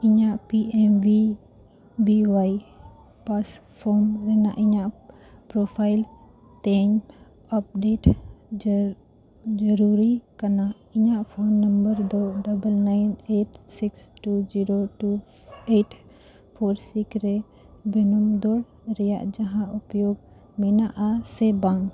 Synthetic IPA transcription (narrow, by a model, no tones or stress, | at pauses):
iɲaʔpiɛmwi | biwaj | paspʰɔɾmɾɛnaʔiɲaʔ | pɾopʰajl | t̪ɛɲ | ap̚ɖeʈ | d͡ʒəɾuɾikana | iɲaʔpʰonːəmbəɾd̪ɔɖabəlnajneʈsiksʈud͡ʒiɾoʈu | eʈ | pʰoɾsikɾɛ | bɛnɔmd̪ɔɽ | ɾɛja̰ʔd͡ʒaɦãʔupjoɡ̚ | mɛnaʔasɛbaŋ